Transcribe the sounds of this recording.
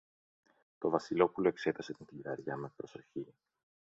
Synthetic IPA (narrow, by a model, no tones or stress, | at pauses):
t̪o̞vɐsilo̞pulo̞e̞kse̞t̪ɐset̪int̪iiɾɐɾʝɐme̞pɾo̞so̞çi